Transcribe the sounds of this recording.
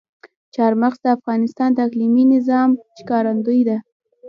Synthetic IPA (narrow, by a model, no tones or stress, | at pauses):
t͡ʃɑɾmaxsd̪əafɣɑnɪst̪ɑnd̪əakliminɪzɑmʃkɑɾand̪ujd̪a